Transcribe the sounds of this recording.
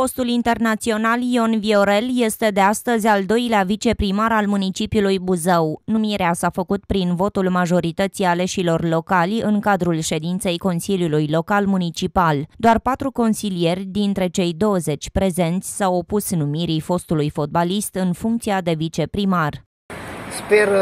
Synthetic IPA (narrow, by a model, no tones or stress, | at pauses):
fo̞st̪ulint̪e̞rnat̪sio̞nalio̞nvio̞ɾe̞lje̞st̪e̞d̪e̞ast̪əzʲald̪o̞jleavit͡ʃe̞pɾimaɾalmunit͡ʃipiulujbuzəwnumiɾeasafəkut̪pɾinvo̞t̪ulmaʒo̞ɾit̪ət̪sijale̞ʃilo̞rlo̞kalʲɨŋkad̪ɾulʃe̞d̪int̪se̞jko̞nsilijulujlo̞kalmunit͡ʃipald̪oarpat̪ɾuko̞nsilije̞rʲd̪int̪ɾe̞t͡ʃe̞jd̪o̞wəze̞t͡ʃʲpɾe̞ze̞nt̪sʲsawopusnumiɾifo̞st̪ulujfo̞t̪̚balist̪ɨnfuŋkt̪siad̪e̞vit͡ʃe̞pɾimar | sper